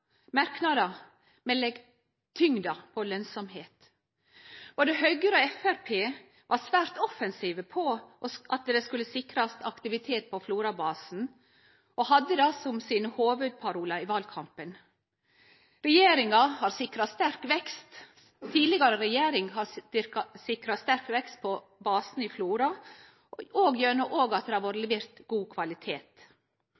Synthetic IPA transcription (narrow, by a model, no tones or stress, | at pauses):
mɑɾknɑd̪ɑ | mɛlɛɡ | t̪ʰʏŋd̪ɑpʰɔlœnsɔmheːt̪ | b̥oːd̪əhœʏɡəɾoɛfæɾpʰeː | ʋɑɾsʋæːɾt̪ɔfɛnsiːʋəpʰɔʔɔʔɑt̪d̪ɛskʉləsɪkɾɑst̪ɑkt̪ɪʋɪt̪ʰeːt̪̚pʰɔfluːɾɑbɑːsn̩ | ʔɔɦɑd̪ːəd̪ɑsɔmsɪnhoːʋʉd̪̚pʰɑɾuːlɑɪʋɑlkʰɑmpən | ɾɛjeːɾɪŋɑhɑːɾsɪkɾɑst̪æɾkʋɛkst̪ | t̪ʰiːd̪lɪɡɑɾəɾɛjeːɾɪŋɦɑkɑsɪkɾɑst̪æɾkʋɛkst̪̚pʰɔ | bɑːsn̩ɪfluːɾɑ | oːɡjøːɳəʔoːɡɑt̪̚d̪ɛhɑʋɔɾlʋɪɾt̪ɡuːkʰʋɑlɪt̪ʰeːt̪